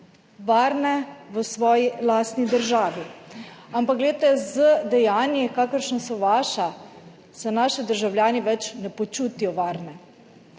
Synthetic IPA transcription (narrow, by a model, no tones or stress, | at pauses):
ʋaɾnɛʋəsʋɔːjilast̪nid̪əɾʒaːʋi | ampakɡlɛet̪ɛzəd̪ɛjaːnjɛkaːkəɾʃnasɔʋaʃa | sɛnaːʃid̪əɾʒawljaːniʋɛt͡ʃnɛpɔt͡ʃut̪ijɔʋaɾnɛ